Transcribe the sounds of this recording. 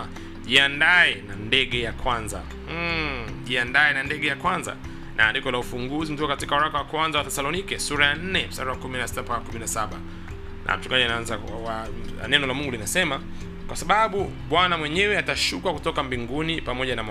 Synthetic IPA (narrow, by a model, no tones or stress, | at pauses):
ʄiandaɛnandɛɠɛjakwanza̰ | ʄiandaɛnandɛɡɛjakwanza̰ | nʔandikɔlaufuŋɡuzim̩tukakatikauɾakawakwanzawatɛsalɔnikɛsuɾajan̩nɛmsa̰ɾawakuminasi̥tampakakuminasaɓa | nʔa̰m̩t͡ʃuŋɡaʄianaanza | wa̰ | nɛnɔlamuŋɡulinasɛma | kwasaɓaɓu | ɓwanamwɛɲɛwɛataʃukakutɔkambiŋɡunipamɔʄanama